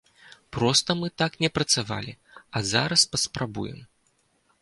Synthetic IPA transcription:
pɾɔst̪ɐmɨt̪aknʲɛpɾɐt̪sava̰lʲi | ɐzaɾɐspɐspɾabṵjɛ̰m

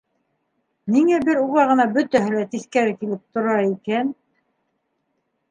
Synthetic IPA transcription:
niŋæbɘɾuʁɑʁɤ̆nɑbɵ̆t̪æɦɘlæt̪iθkæɾɘkilɘp̚t̪ŏɾɑikæn

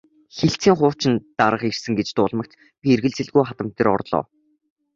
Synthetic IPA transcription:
xeɬt͡siːŋχʊ̥ːt͡ɕɪ̆nt̪aɾə̆χersɘ̆ŋɡet͡ɕt̪ʊːɮmə̆k̚t̪ | pʲierɣɘ̆ɮt͡sɘ̆ɮɣujχat̪ə̆m̥t̪ĕːrɔ̰rɮɔ̰ː

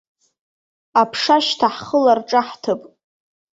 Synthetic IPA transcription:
apʰʂaʃtʰaħχəlarʈ͡ʂʼaħtʰɨpʼ

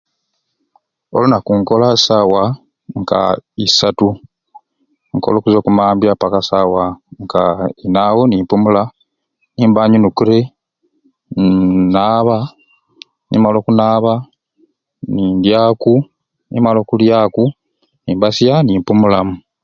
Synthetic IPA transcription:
o̰lunakuŋko̞lasawa | ŋɡa̰isatu | ŋko̞̰lo̞ːkuzoːkumaːmbjapakasawaŋɡainaːwoniːmpumula | niːmbaɲunukuɾe̞ | naːβa | nḭmalo̞ːkunaːβa | niːndjaːku | nimalo̞ːkuljaːku | niːmbasjanimpumulamu

